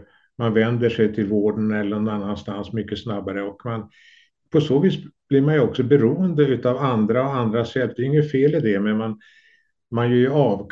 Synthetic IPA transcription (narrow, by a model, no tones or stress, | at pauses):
manvɛnd̪əʂɛjt̪ʰɪlvoːɖənɛlːəɾɛnanːanst̪ansmʏkːəsnabːaɾəɔkman | pʰɔsoːviːsb̥lɪɾmanjɵɔksɔbɛɾuːənd̪əʉ̟ːt̪avand̪ɾaɔand̪ɾasɛt̪̚ːd̪ɛjɪŋːəfeːlɪd̪ɛmɛman | manjɵɑːvk